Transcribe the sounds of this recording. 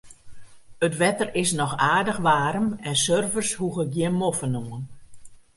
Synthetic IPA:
ətʋɛtərɪsnɔxaːdəxʋaːɾəmɛnsørvərshuɣəɡjɪnmofənumən

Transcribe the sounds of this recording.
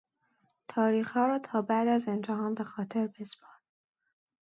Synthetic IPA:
t̪ʰɒːɾiːxhɒːɾɒːt̪ʰɒːbæd̪æzend͡ʒæɦɒːnbe̞xɒːt̪ʰe̞ɾbespɒːɾ

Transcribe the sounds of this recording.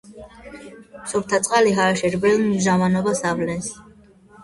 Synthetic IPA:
sɔɾt̪ʰat̪sʼqʼaliɦaʃɛɾbɛlnʒavanɔbasavlɛns

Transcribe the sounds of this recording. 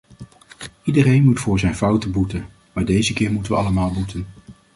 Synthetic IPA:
idərejnmutfʊːɹzɛjnvʌwtəbutən | maːɹdejzəkɪːɹmutəʋəɑləmaːlˠbutʰən

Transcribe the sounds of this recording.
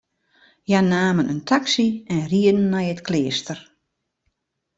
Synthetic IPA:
janaːmənəntʰaksiɛnriədn̩ːajətklɪəstər

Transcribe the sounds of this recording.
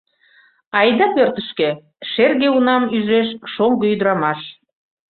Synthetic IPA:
ɑjd̪ɑpørt̪əʃke | ʃerɣeunɑmyʒeʃʃoŋɡəyd̪ɾɑmɑʃ

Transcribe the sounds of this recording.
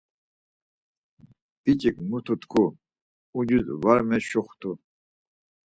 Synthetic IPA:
bit͡ɕʼikmut̪ʰut̪kʰu | ud͡ʒuzvaɾmɛɕɔχt̪ʰu

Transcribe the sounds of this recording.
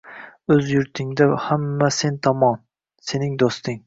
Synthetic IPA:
ɵzjʊɾt̪ʰɪŋd̪ahamːase̞nt̪ʰɒmɒn | se̞nɪŋd̪ost̪ɪŋ

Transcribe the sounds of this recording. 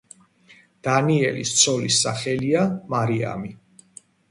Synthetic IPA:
d̪̥aniɛlist̪sʰɔlisːaχɛliamaɾia̰mi

